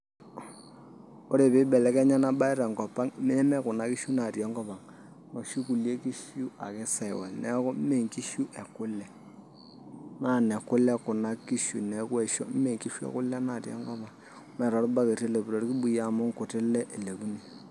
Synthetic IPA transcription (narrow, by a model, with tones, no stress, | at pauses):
ko˦ɾe˨pɪ˦bɛ˨lɛ˦kɛ˦ɲa˦na˦ɓa˦ɪ˦ɾɛ˨ŋkɔ˨pa˦ŋm˦ɛ˦mɛ˦kʊ˨na˨˦ki˦ʃu˦na˨tjɔ˦ŋɡɔ˦pa˨ŋ | no˨ʃu˦ku˨lje˦ki˦ʃu˦a̰˨kɪ˦sa˨ɪ˨wa̰˨nɛ˦kɔ˦me˦˨ŋki˦ʃu˦ʔe˨kʊ˦lɛ˨ | na˦˨nɛ˨kʊ˦lɛ˦kʊ˨na˦ki˦ʃu˨nɛ˨kwe˨ʃɔ̰˦me˦˨ŋki˦ʃu˦ḛ˦kʊ˦lɛ˦na˨tjɔ̰˦ŋɡɔ˦pa˨ŋ | mɛ˨ɾɔ˨˦ɾba˦ke˨tɪ˦lɛ˨pu˨ɾo˨ɾki˦bu˨ja˨mʊ˦ŋkʊ˨tɪ˦lɛ˦ʔe˨le˨ku˦ni˨